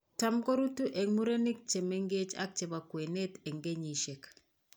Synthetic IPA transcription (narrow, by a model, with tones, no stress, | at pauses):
ta˨mko˦ɾu˦tu˦ʔe˨mu˦ɾe˦ni˦k̚t͡ʃe˨me˦ŋɡe˦t͡ʃa̰˦k̚t͡ʃe˨ba˨kwe˨ne˦te˨ŋɡe˦ɲi˨ʃe˨k